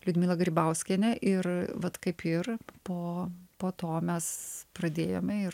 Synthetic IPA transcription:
lʲʊd̪ʲmʲɪlˠɐɡɾʲibɐʊsʲkʲɛnʲɛʔɪrʋɐt̪kɐɪpʰɪrpoːpoːt̪oːmʲɛsprɐd̪ʲeːjoːmʲɛɪr

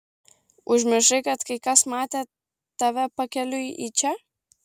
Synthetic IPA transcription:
ʊʒʲmʲɪʒɐɪkɐt̪kɐɪkɐsmɑːt̪ʲe | t̪ɐʋʲɛpɐkʲɛlʲʊʔit͡ʃʲɛ

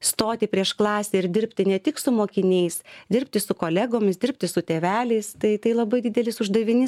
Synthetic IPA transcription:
st̪oːt̪ʲɪpʲɾʲiɛʃklˠɑːsʲeɪɾd̪ʲɪrʲpʲt̪ʲɪnʲɛt̪ʲɪksʊmoːkʲɪnʲɛɪsd̪ʲɪrpʲt̪ʲɪsʊkoːlʲɛɡoːmʲɪsd̪ʲɪrp̚ʲt̪ʲɪsʊt̪ʲeːʋʲæːlʲɛɪst̪ɐɪt̪ɐɪlˠɐbɐɪd̪ʲɪd̪ʲɛlʲɪsʊʒd̪ɐʋʲɪnʲɪ

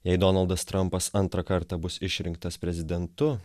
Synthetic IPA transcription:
jɛɪd̪ɔnɐlˠd̪ɐst̪ɾɐmpɐsɐnt̪ɾɐkɐɾt̪ɑbʊsɪʃʲɾʲɪŋk̚t̪ɐspʲɾʲɛzʲɪd̪ʲɛnt̪ʊ

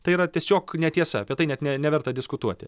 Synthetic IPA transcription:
t̪ɐɪiːɾɐt̪ʲiɛsʲoːknʲɛt̪ʲiɛsɐɐpʲiɛt̪ɐɪnʲɛt̪nʲɛnʲɛʋʲɛrt̪ɐd̪ʲɪskʊt̪uɔt̪ʲɪ

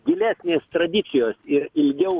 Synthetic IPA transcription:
ɡʲɪlʲæːsʲnʲeːst̪ɾɐd̪ʲɪt̪sʲɪjoːsɪɾɪlʲɡʲɛʊ

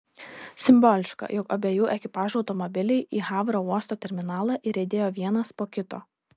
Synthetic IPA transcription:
sʲɪmbɔːlʲɪʃkɐ̰jɔkɐbʲeːjuːʔɛkʲɪpɑːʒuɒʊt̪ɔmɔbʲɪlʲɛɪʔiːɣɑːʋɾoːuɔst̪oːt̪ʲɛɾʲmʲɪnɑːlˠɐʔɪɾʲɛɪd̪ʲeːjoːʋʲiɛnɐspoːkʲɪt̪o̰ː

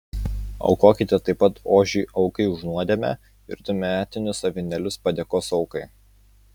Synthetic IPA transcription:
ɐ̰ʊkoːkʲɪt̪ʲet̪ɐɪpːɐt̪oːʒʲiːʔɒʊkɐɪʊʒnuɔd̪ʲeːmʲɛ̰ | ɪ̰ɾt̪ʊmʲæːt̪ʲɪnʲʊsɐʋʲɪnʲɛlʲʊspɐd̪ʲeːkoːsɒʊkɐɪ

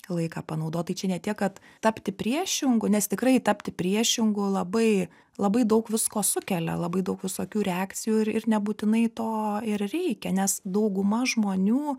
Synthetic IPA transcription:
lˠɐɪkɑːpɐnɐʊd̪oːt̪̚t̪ɐɪt͡ʃʲɛnʲɛt̪ʲiɛkkɐt̪ | t̪ɐpʲt̪ʲɪpʲɾʲiɛʃʲɪŋɡʊnʲɛst̪ʲɪkrɐɪt̪ɐpʲt̪ʲɪpʲɾʲiɛʃʲɪŋɡʊlˠɐbɐɪ | lˠɐbɐɪd̪ɐʊkʋʲɪskoːsʊkʲɛlʲɛ̰lˠɐbɐɪd̪ɐʊkʋʲɪsoːkʲuːɾʲɛɑːk̪t͡s̪ʲɪjuːɪɾɪɾnʲɛbuːt̪ʲɪnɐɪt̪oːɪɾrʲɛɪkʲɛnʲɛsd̪ɐʊɡʊmɐʒmoːnʲuː

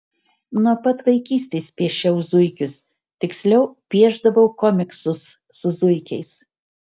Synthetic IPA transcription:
nuɔpɐt̪ʋɐɪkʲiːsʲt̪ʲeːspʲiɛʃʲɛʊzʊɪkʲʊs | t̪ʲɪksʲlʲɛʊpʲiɛʒd̪ɐʋɐʊkɔmʲɪksʊsː | ʊzʊɪkʲɛɪs

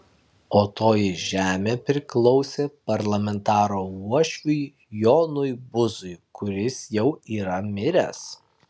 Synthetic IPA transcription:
oːt̪oːjɪʒʲæːmʲeːpʲɾʲɪklˠɔʊsʲeːpɐɾlˠɐmʲɛnt̪ɑːɾoːuɔʃʲʋʲʊɪ | joːnʊjbʊzʊjkʊɾʲɪsjɛʊiːɾɐmʲɪɾʲɛs

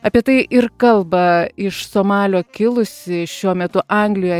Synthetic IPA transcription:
ɑːpʲiɛt̪ɐɪʔɪɾkɐlˠbɐɪʃsoːmɑːlʲoːkʲɪlˠʊsʲɪʃʲuɔmʲɛt̪ʊʔɐŋɡlʲɪjɛ

